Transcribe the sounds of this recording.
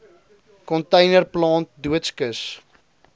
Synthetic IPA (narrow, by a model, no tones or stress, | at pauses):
kɔntɛjnərplɑːnt̚duətskəs